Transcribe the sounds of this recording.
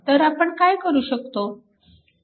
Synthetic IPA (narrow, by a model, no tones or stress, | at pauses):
t̪əɾapəɳkajkəɾuːɕəkt̪o